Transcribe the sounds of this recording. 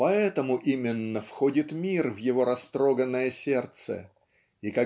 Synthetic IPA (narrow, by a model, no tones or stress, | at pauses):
pɐɛt̪əmʊʔimʲɪnːəfxo̞dʲɪt̪mʲirvjɪvo̞ɾɐst̪ɾo̞ɡənːəjəsʲe̞rt̪sə̰ | ikɐ